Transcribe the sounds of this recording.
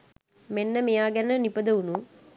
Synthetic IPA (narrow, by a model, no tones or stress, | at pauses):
menːəmejaːɡɛnənipəd̪əunuː